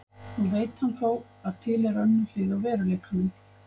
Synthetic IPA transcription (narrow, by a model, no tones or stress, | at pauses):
hunveːjt̪hanfaːw | að̥t̪ʰɪːlɛɾœnːʏlɪːðawvɛːɾalɛːkʰanʏn